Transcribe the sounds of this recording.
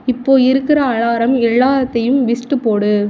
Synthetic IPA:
ɪpːoːɪɾɯkːɪɾɐːɻaːɾɐmɛɭːaːɾɐt̪ːɐjɯmʋɪsʈːɯpːoːɽɯ

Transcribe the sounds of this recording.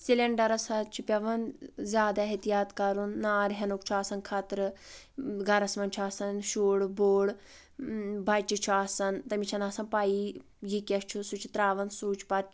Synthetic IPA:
sileɳɖɐɾɐsat͡ʃʰipʲɐʋɐnzʲaːd̪aɦet̪ijaːt̪kɐɾunːaːɾɦʲɐnukt͡ʃʰuaːsɐnkʰaːt̪ɾɨ | ɡɐɾɐsmɐnt͡ʃʰuaːsɐnʃuːɽboːɽ | bɐt͡ʃit͡ʃʰuaːsɐnt̪ɐmit͡ʃʰɐnɐːsɐnpaːi | jikʲɐst͡ʃʰusut͡ʃʰit̪ɾaːʋɐnsuːt͡ʃʰpɐɾ

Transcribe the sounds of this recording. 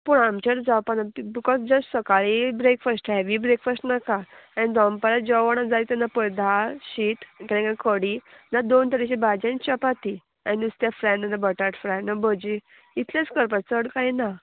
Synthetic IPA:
puɳamt͡ɕəɽd͡zawpanabikɔsd͡ʑəssəkaɭibɾekfəsʈɛʋibɾekfəsʈnakaanid̪ɔmpaɾad͡ʑɔʋaɽ̃ad͡zalit̪ɛnapəɾd̪ʱaɕiːt̪kaɾãkakʰəɽinad̪ont̪əɾiɕibad͡ʑãnit͡ɕəpat̪i | a̰nid̪ust̪jafɾɛ̃ɳãnd̪əbəʈaʈfɾanabəd͡ʑi | it̪ʰlet͡skəɾpat͡səɽkajna

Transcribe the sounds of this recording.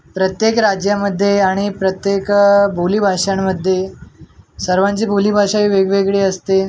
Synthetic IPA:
pɾət̪jekɾad͡ʑjaməd̪ʱːjeaɽ̃ipɾət̪jekbʱuliːbʱaʂaɳməd̪ʱːje | səɾʋãɲt͡ɕiːbʱulibʱaʂaʋiːʋeɡʋeɡɭeəst̪e

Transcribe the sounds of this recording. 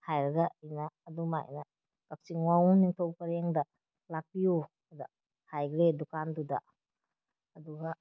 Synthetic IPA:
hajɾɐɡainaːduma̰j̰na | kak̚siŋwaŋniŋtʰowpɐɾeŋda | lak̚biju | da | hajɡledukanduda̰ | ɐduɡa

